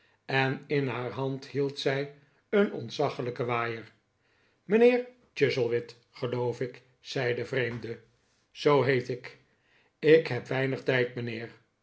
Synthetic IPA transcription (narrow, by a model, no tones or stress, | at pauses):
ɛnɪnɦaːɹɦɑnthilˠtsɛj | ənɔ̰ntsɑχələkəʋaːjəɹ | mənɪːɹ | t͡ʃɪzəlˠʋɪt | χəlowfɪk | sɛjdəvrejmdə | z̥owɦejtɪk | ɪkɦɛpʋɛjnəχtɛjtmənɪːɹ